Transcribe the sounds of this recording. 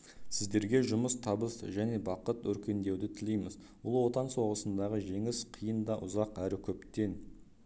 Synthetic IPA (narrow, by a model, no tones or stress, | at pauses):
sɪzd̪e̞ɾɡʲe̞ʒʊməst̪ʰɑbəsəʒæne̞bɑqət̪wɵɾkʲe̞nd̪e̞wd̪ɪt̪ʰɪlejmɪz | bʊlˠwo̞t̪ɑnso̞ʁəsənd̪ɑʁəʒe̞ŋɪsqʰijənd̪ɑʔʊzɑqæɾɪkʲʰɵpt̪e̞n